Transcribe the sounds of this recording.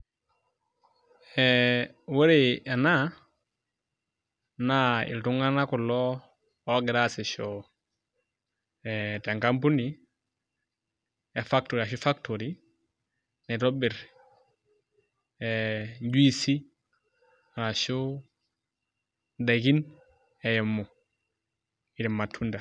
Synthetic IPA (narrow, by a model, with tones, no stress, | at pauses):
ɛwe˦ɾea˨na˦ | na˦ḭ˨ltu˦ŋa˦na˦ku˨lɔ˦ | o˦ɡɪ˨ɾa˦si˨ʃo˨ | ɛte˨ŋka˦mpu˦ni˨ | ɛ˨fa˦k̚to˨ɾia˨ʃ̬u˦fa˦k̚toɾi˦ | nɛ˨ɾo˦bɪ˨ɾ | ɛɲɟu˦i˦si˦ | a˨na˨ʃu˦ | da˨ɡi˦n | ɛ˨jɛ˨mːɔ˨ | i˨ɾi˨mːa˨tʰːu˦nda˨